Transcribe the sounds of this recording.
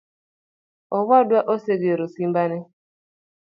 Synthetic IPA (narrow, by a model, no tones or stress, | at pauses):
ɔwadwaʔoseɡeɾosimbanɛ